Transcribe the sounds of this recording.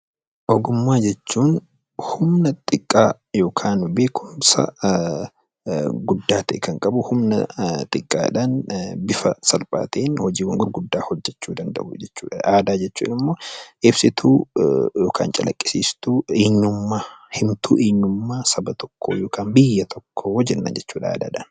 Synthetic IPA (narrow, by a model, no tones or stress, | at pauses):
ʔɔɡʊmːaːd͡ʒɛt͡ʃːuːn | hʊmnɐt̪ʼɪkʼːaː | jo̞ːkʰaːnbeːkʰʊmsɐ̰ | ɡʊd̪ːaːt̪ɛʔɛkɐŋkʼɐbʊhʊmnɐt̪ʼɪkʼːa̰ːᶑaːnbɪfɐsɐlpʼa̰ːt̪eːnhɔd͡ʒiːwɐŋɡʊɾɡʊd̪ːaːhɔd͡ʒːɛt͡ʃːuːd̪ɐnd̪ɐ̰ʔʊd͡ʒɛt͡ʃːṵːᶑɐaːd̪aːd͡ʒɛt͡ʃːṵːnɪmːoːʔɪbsɪt̪ʰuːjo̞ːkʰa̰ːnt͡ʃʼɐlʔɐ̰kʼːɪ̥siːst̪ueːɲːʊmːaːhɪmt̪ʰṵːʔeːɲːʊmːaːsɐbɐt̪ɔ̥kʰːoːjoːkʰaːnbɪjːɐt̪ʰɔkʰːohɔd͡ʒɛnːɐ̰nd͡ʒɛt͡ʃːuːᶑɐa̰ːd̪a̰ːᶑɐn